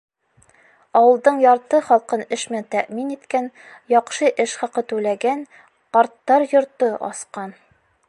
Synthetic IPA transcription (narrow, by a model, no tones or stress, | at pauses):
ɒwɤ̆lˠd̪ɤɴjɒɾt̪ɤχɒlˠqɤnɘʃmænt̪æʔminit̪kæn | jɒqʃɤʔɘʃχɒqɤt̪ʉlæɡæn | qɒɾt̪ːɑɾjŏɾt̪ɤʔɒ̰sqɑn